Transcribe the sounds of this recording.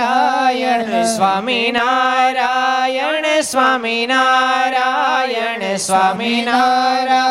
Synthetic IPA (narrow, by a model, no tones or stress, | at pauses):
ajɐsʋaːminaɾajɐɳsʋaːminaɾajɐɳsʋaːminaɾa